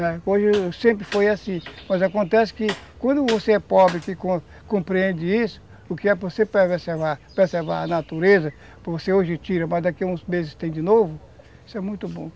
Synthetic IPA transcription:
nɛoʒɪsẽmpɾɪfojasĩmɐzakõnt̪ɛsɪ̥kɪkwɐ̃nd̪ʊvoseɛpɔbɾɪkɪkõ | kõpɾiẽnd̪ɪisʊ̥ | ʊkɪɛvosepɛvesevaɾpezeɾva̰ɾɐnat̪uɾezɐ | pvoseoʒɪt͡ʃiɾɐmɐzd̪akiũzmezɪst̪ẽj̃d͡ʒɪnovʊ | i̥sʊɛmũj̃t̪ʊbõ

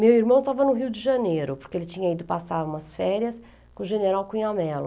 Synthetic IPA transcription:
mewiɾmɐ̃w̃t̪avɐnʊɦiwd͡ʒɪʒɐneɾʊpoɾkeelɪt͡ʃĩɲɐid̪ʊpasaɾũmɐsfɛɾjɐs | kõʒeneɾawkĩɲamɛlʊ

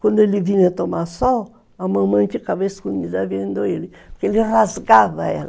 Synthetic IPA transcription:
kʷwɐ̃nd̪ʊelɪviɲɐt̪omasɔ | ɐmɐ̃mɐ̃j̃fikavɐeskumid̪ɐviɐẽnd̪oelɪpɾkeelɪrazɡavɐɛ̰lɐ

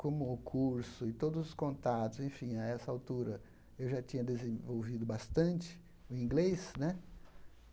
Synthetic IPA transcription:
kõmʊʊkʰuɾsʊɪt̪od̪ʊzʊskõnt̪at̪ʊzẽfĩaɛsɐawt̪uɾɐ | ewʒat͡ʃĩɲɐd̪ezẽvowvid̪ʊbast̪ɐ̃nt͡ʃɪ̥ | ʊĩŋɡlesnɛ

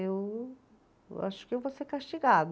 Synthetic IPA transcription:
ew | a̰ʃʊ̥kɪewvoseɾkaʃt͡ʃiɡad̪

